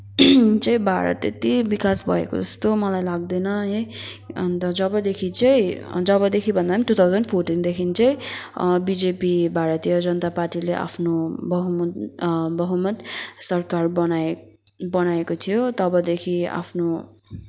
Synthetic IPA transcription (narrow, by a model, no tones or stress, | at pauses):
t͡sʌĩbʱaɾʌ̰t̪ḛt̪ibikasbʱʌ̰ḛko̰d͡zʌst̪omʌlajlaɡ̚d̪ʌjnʌeʌnt̪ʌd͡zʌbʌd̪ekʰit͡saĩd͡zʌbʌd̪ekʰibʱʌnd̪aiʈut̪ʰawd͡zʌnpʰorʈind̪ekʰint͡saĩbid͡zepibʱaɾʌt̪jʌd͡zʌnʌt̪aparʈileʔa̰pʰnobʌɦum | bʌɦumʌt̪sʌrkarbʌna | bʌnaekot̪ʰijot̪ʌbʌd̪ekʰia̰pʰno